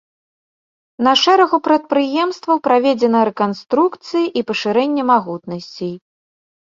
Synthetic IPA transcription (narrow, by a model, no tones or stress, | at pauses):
nɐʂɛɾɐɣupɾɐt̪̚pɾɨjɛmst̪vɐwpɾavʲɛd͡zʲɛnɐɾɛkanst̪ɾukt̪sɨjiʔipɐʂɨɾɛnʲːɛmaɣut̪nɐsʲt͡sʲij